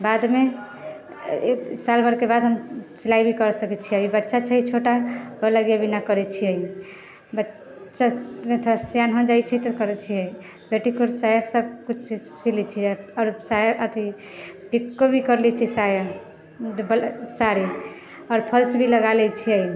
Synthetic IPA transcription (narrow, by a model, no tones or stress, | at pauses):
bad̪me | salbʱəɾkebad̪ɦəmt͡ʃilaibʱikəɾsəkɛt͡ʃʰiəibətːʃat͡ʃʰəit͡ʃʰoʈabələɡjabinakəɾɛt͡ʃʰiəi | bətː | t͡ʃaət̪ʰasjanɦɔ̃d͡ʒait͡ʃʰɛt̪əkəɾɛt͡ʃʰiəi | beʈikoɾsajasəb̚kut͡ʃʰsilit͡ʃʰiɔːɾsajaʔət̪ʰi | pikːobʱikəɾlit͡ʃʰisaja | bsaɾi | ɔːɾpʰəlsbʱiləɡalɛt͡ʃʰiəi